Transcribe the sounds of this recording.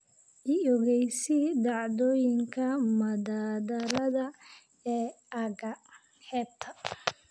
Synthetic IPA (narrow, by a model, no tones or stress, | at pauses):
ʔiɔɣɛjsɪd̪ɑʕd̪ɔːjɪŋkʰɐmɐðaːdɐlɐðɐ | ɛː | ɐɣɐ | hɛːb̚t̪ʰɐ